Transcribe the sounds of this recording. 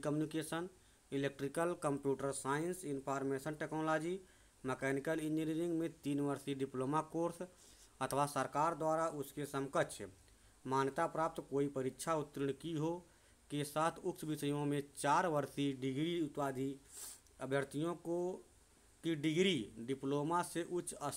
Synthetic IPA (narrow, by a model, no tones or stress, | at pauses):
kəmunikeːsən | ɪleːk̚ʈɾikəlkəmpjuːʈəɾsaːɪnsɪnpʰaːɾmeːsənʈeːknoːlaːd͡ʒi | mɛkɛːnɪkəlɪniɾiɾɪ̃ŋɡmẽt̪iːnʋəɾsiɖɪploːmakoːɾs | ət̪ʰʋasəɾkaːɾd̪waːɾaʊskesəmkət̪t͡ʃʰɛ̰ | maːnjət̪apɾaːp̚t̪koːipəɾɪtːʃʰaʊt̪ːɾəɽ̃kiɦo | kesaːt̪ʰʊkt͡ʃʋɪsəjõmẽt͡ʃaːɾʋəɾsiɖɪɡɾiʊt̪paːd̪ʱi | əbʱjəɾt̪ʰijõko | kiɖɪɡɾiɖɪploːmaseʔʊt͡ʃə